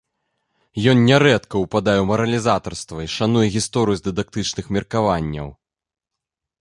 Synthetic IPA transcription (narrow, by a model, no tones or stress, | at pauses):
jɔnnʲɛɾɛt̪kɐwpad̪ajɛwmɐɾɐlʲizat̪ɐrst̪vɐiʂan̪ujɛɣʲist̪ɔɾɨjuzd̪ɨd̪ak̚t̪ɨt͡ʂnɨxmʲɛrkavanʲːɐ̰w